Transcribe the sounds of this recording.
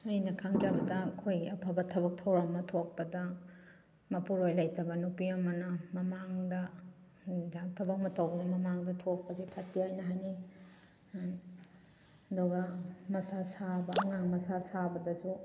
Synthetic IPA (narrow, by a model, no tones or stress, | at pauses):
ajnɐkʰaŋd͡ʒabɐdɐkʰojɡiɐpʰɐbɐtʰɐbɐk̚tʰɐwɾɐmːɐtʰok̚pɐdɐ | mɐpuɾojlɐjtɐbɐnupiɐmɐnɐmɐmaŋdɐ | d͡ʒaŋtʰɐbɐk̚mɐtɐwbɐnɐmɐmaŋdɐtʰok̚pɐzepʰatːiajnɐɦajni | ɐduɡɐmɐsasabɐːŋaŋmɐsasabɐdɐsu